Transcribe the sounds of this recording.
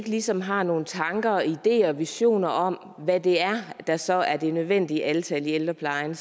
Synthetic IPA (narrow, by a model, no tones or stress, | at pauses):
ɡ̥əlisɒ̽mɦɑ̈no̝ːn̩t͡sʰɑ̈ŋɡ̥ɐɒid̥e̝̰ːɐɒʋiɕo̝̰ːnɐʔɒ̽m̰ | ʋæd̥e̝æɐd̥æsɒ̽æɐd̥e̝nøðˠʋen̰d̥iəʔælt͡sʰɛlield̥ɐpʰlɑ̈ɪn